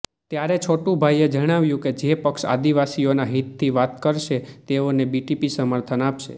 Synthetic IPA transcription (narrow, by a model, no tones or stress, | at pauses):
t̪jaɾet͡ʃʰoʈũbʱaijed͡ʒəɽ̃aʋjũked͡ʒepəkʃa̰d̪iʋasionaɦit̪ʰːiʋat̪kəɾʃet̪eonebiʈipisəməɾt̪ʰənapʃḛ